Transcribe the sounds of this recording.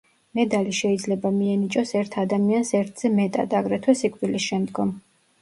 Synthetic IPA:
mɛd̪aliʃɛid̪zlɛbamiɛnit͡ʃʼɔsɛɾt̪ʰad̪amiansɛɾt̪ʰz̥ɛmɛt̪ʼa̰d̪aɡɾɛt̪ʰwɛsikʼvd̪ilisʃɛmd̪ɡɔm

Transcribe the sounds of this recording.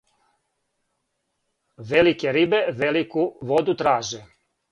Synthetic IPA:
ʋelikeɾibeʋelikuʋod̪ut̪ɾaːʒe

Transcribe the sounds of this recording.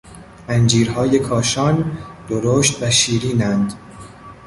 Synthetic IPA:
ʔænd͡ʒiːɾhɒːje̞kʰɒːʃɒːnd̪̥oɾoːʃt̪væʃiːɾiːnænd̪̥

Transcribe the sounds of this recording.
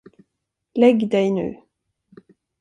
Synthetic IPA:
lɛɡːd̪ɛjnʉ̟̰ː

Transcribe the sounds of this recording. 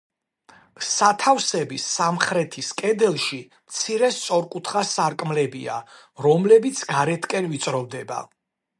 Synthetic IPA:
sat̪ʰavsɛbisamχɾɛt̪ʰiskʼɛd̪ɛlˠʃi | mt̪sʰiɾɛst̪sʼɔɾkʼut̪ʰχasaɾkʼmlɛbḭa̰ | ɾɔmlɛbit̪sʰɡaɾɛt̪ʰkʼɛnvit̪sʼɾɔvd̪ɛba̰

